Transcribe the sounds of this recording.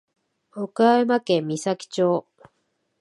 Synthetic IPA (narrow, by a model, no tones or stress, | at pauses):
okaemakẽmʲːisakʲi̥t͡ɕo̞ː